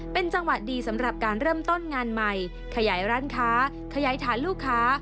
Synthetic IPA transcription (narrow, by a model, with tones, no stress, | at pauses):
pe˧nt͡ɕa˧ŋwa˨˩t̪̚diː˧sa˩˦mɾa˨˩p̚kaː˧nɾɤː˥˩mt̪o˥˩nŋaː˧nma˧j | kʰa˧jaː˩˦jɾaː˦˥nkʰaː˦˥ | kʰa˧jaː˩˦jt̪ʰaː˩˦nluː˥˩kʰːaː˦˥